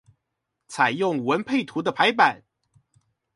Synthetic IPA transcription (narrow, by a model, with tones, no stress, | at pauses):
t͡sʰa˨˩ɪjʊ˥˩ŋwə˧˥npʰe˥˩ɪt̪ʰu˧˥d̪ə˧pʰa˧˥ɪpa˨˩˦n